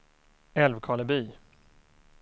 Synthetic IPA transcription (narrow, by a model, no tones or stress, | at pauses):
ɛlvkʰɑləbyː